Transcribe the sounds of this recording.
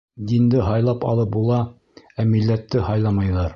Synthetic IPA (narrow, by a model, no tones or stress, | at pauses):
d̪ind̪ɘɦɑjlˠɑpɑ̰lˠɤp̚bulˠɑ | æmilːæt̪ːɘhɑjlˠɑmɑjðɑɾ